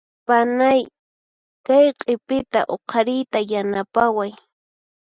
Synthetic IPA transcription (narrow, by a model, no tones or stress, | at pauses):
panaj | kajqʼepɪt̪a̰ʔoqʰɑɾɪjt̪ajanapawaj